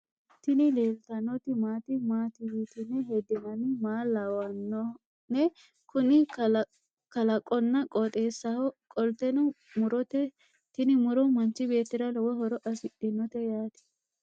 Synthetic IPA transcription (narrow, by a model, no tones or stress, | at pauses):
t̪ɪnɪleːlt̪ɐnɔt̪ɪmaːt̪ɪmaːt̪ɪjit̪ɪnɛɦɛd̪ɪmɐnɪmaːlɐwɐnːɔ | nɛ | kʊnɪ | kɐlɐkʼɔnːɐkʼɔt̪ʼe̞ːsːɐhɔkʼɔlt̪ɛnɔ | mʊɾɔt̪ɛ | t̪ɪnɪmʊɾɔmɐnt͡ʃɪbe̞ːt̪ːɪɾɐlɔwɔhɔɾɔʔɐsɪɗɪnɔt̪ɛjaːt̪ɪ̥